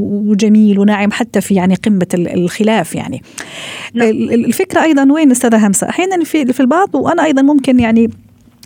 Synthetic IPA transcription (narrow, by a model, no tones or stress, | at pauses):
d͡ʒamiːlwnaʕɪmħat̪ːafijaʕniqɪmːaxɪlaːfja̰ʕni | lfɪkɾaʔɑjðˤɑnweːnʔʊst̪aːðaɦamsa̰ʔaħjaːnanfifilbɑʕðˤwʔanaʔɑjðˤɑnmʊmkɪnjaʕni